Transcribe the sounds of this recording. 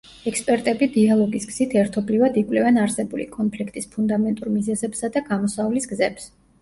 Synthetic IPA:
ɛkspʼɛɾt̪ʼɛbid̪ialˠɔɡisɡz̥it̪ʰɛɾt̪ʰɔblivad̪ikʼwlɛvɛnaɾsɛbulḭkʼɔnpʰlikʰt̪ʼispʰund̪amɛnt̪ʼuɾmizɛzɛpsad̪aɡamɔsavlisɡzɛps

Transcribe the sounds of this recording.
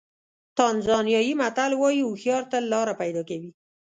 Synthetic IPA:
t̪anzɑnjɑjimat̪alwɑjiuxjɑɾt̪alɑɾapajd̪ɑkawi

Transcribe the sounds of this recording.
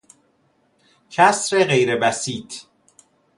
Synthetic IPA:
cʰæsɾeɣejɾebæsiːt̪

